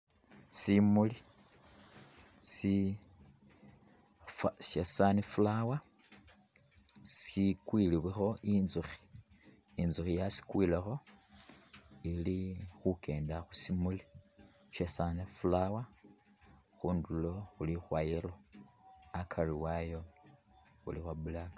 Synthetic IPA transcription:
simuli | si | fsesanifulawa | sikwiliβwixo̞ʔinzuxi̥ | inzuxijasi̥kwilexo̞ | ilixuke̞ːndaxusimuli | ʃesanefulawa | xuːndulo̞xulixwajiɾo | akʰariwajo̞ | xṵlixwabulaka

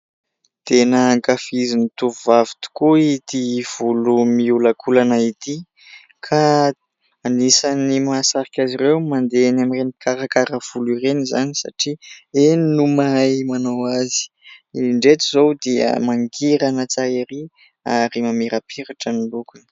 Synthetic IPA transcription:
t̪enəːŋkafizinit̪uvuvavi̥t̪u̥kuit̪iv̥ulumiulakʰulanait̪i | kʰaː | nisanimasaɾikʲazirewmand̪eanamirenikaɾakaɾəv̥ulirenizanisa̰ʈ͡ʂieninumajmanowazi̥ | iɳɖ͡ʐet̪izowd̪iə̰maŋɡiɾanət͡saeɾi | aɾimamiɾapʰiɾaʈ͡ʂənilukun

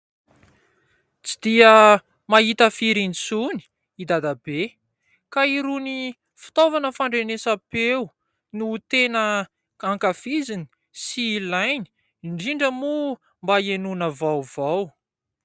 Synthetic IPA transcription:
t͡si̥d̪iə | maɦit̪əfiɾinisuni̥ | id̪ad̪abe | kaiɾuni | fi̥t̪ovanəfaɳɖ͡ʐenesapew | nut̪enə | aŋkafizini̥ | silajni̥ | iɳɖ͡ʐiɳɖ͡ʐəmu | mbaenunəvawvaw

